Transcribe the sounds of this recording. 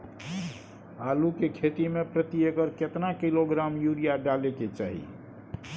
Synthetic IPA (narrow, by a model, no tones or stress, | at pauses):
alukekʰet̪imepɾət̪iekəɾket̪nakiloɡɾamjuɾijaɖaleket͡ʃaːɦḭ